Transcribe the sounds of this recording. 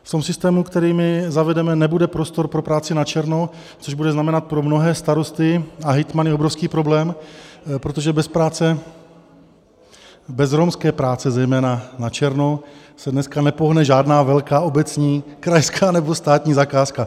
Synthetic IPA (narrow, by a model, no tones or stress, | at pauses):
ft̪o̞msɪst̪ɛːmukt̪ɛɾiːmɪzavɛdɛmɛnɛbudɛpɾost̪o̞ɾpɾo̞pɾaːt͡sɪnat͡ʃɛɾno̞ | t͡so̞ʒbudɛznamɛnat̪̚pɾo̞mno̞ɦɛːst̪aɾo̞st̪ɪaɦɛjt̪manjɛo̞bɾofskiːpɾo̞blɛːmpɾo̞t̪o̞ʒɛbɛspɾaːt͡sɛ | bɛzɾomskɛːpɾaːt͡sɛzɛjmɛːnanat͡ʃɛɾno̞ | sɛdnɛskanɛpo̞ɦnɛʒaːdnaːvɛlkaːobɛt͡sɲiːkɾajskʰaːnɛbo̞st̪aːt̪ɲiːzakaːska